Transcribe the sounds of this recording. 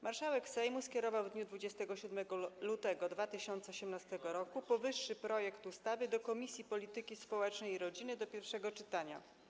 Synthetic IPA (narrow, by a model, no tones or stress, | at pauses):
maɾʂawɛksɛjmuskʲɛɾɔvawvd̪ɲud̪vud͡ʑɛst̪ɛɡɔɕud̪mɛɡɔlut̪ɛɡɔd̪vat̪ɘɕɔnt̪sɛɔɕɛmnast̪ɛɡɔɾɔkupɔvɘʂːɘpɾɔjɛkt̪ust̪avɘd̪ɔkɔmʲisʲjipɔlʲit̪ɘkʲispɔwɛt͡ʂnɛjiɾɔd͡ʑinɘd̪ɔpʲjɛɾfʂɛɡɔt͡ʂɘt̪aɲa